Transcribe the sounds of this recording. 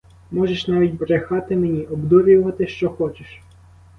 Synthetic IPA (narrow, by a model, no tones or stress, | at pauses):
mɔʒeʃnɑʋʲitʲbɾexɑt̪ɪmenʲiʔɔbd̪ɔʋʲʊʋɐt̪ɪʃt͡ʃɔxɔt͡ʃeʃ